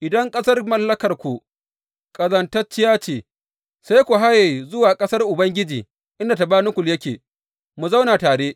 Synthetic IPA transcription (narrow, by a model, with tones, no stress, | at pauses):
ʔɪ˨dɐ˦ŋkʼɐ˦sɐ˦rmɐ˦lːɐ˦kɐ˨rkʷu˨ | kʼɐ˨zɐ˦ntɐ˦t͡ʃːɪ˦jaː˦t͡ʃeː˨ | sa˦jkʷu˨ɦa˦je˨zʊ˦waː˨kʼɐ˦sɐ˦rʔʊ˨bɐ˦ŋɡʲɪ˦d͡ʒiː˨ | ʔɪ˦nda˨ta˨baː˦nʊ˦kʷʊ˨ljɐ˦kʲeː˨ | mu˨zɐ˦wnaː˨taː˨ɽeː˦ʔ